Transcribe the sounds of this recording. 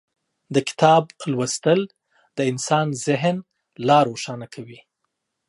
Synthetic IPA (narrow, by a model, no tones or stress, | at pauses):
d̪əkɪ̥t̪ɑblwəst̪əl | d̪̥əɪnsɑnzɪɦn | lɑɾoʃɑnakʰawi